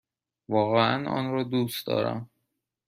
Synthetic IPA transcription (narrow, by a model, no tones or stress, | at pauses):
vɒːɣeæ̰nɒ̰nɾɒːd̪uːsd̪ɒ̰ːɾæ̰m